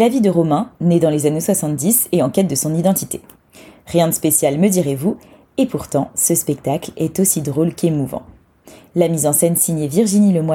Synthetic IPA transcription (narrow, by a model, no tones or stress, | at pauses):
lavid̪əʁɔmɛ̃ned̪ɑ̃lezaneswasɑ̃t̪̚d̪iseɑ̃kʲɛt̪̚d̪əsɔ̃nid̪ɑ̃t̪it̪e | ʁjɛ̃d̪əspesjalməd̪iʁevu | epuʁt̪ɑ̃səspɛk̚t̪aklɛt̪osid̪ʁolkemuvɑ̰̃ | lamizɑ̃sɛnsiɲjeviʁʒiniləmwa